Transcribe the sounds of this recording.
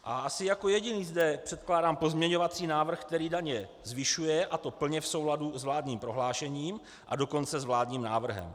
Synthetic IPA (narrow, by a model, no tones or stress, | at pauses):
ʔaʔasɪjako̞jɛɟɪniːzdɛpr̥ɛt̪klaːdaːmpo̞zmɲɛɲo̞vat͡siːnaːvr̩xk̚t̪ɛɾiːdaɲɛ | zvɪʃujɛʔat̪o̞pl̩ɲɛfso̞wladuzvlaːdɲiːmpɾoɦlaːʃɛɲiːm | ʔa̰do̞ko̞nt͡sɛzvlaːdɲiːmnaːvr̩ɦɛ̰m